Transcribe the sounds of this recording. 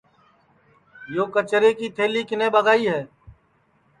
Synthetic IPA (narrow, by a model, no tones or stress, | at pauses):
joːkət͡ʃɾeːkiːt̪ʰeːliːkɪnẽːbəɡaːiːɦɛː